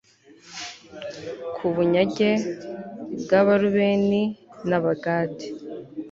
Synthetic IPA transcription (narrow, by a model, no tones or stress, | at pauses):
kʰuβuɲaɟe | bɡaβaɾuβeninaβaɡaːti̥